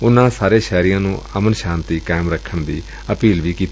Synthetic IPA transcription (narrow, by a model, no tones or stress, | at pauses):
ʊnãːsaːɾeːʃɛːɾɪjãːnũːʔəmənʃãːnt̪iːkaːmɾəkʰːəɳd̪iː | əpiːlʋiːkiːt̪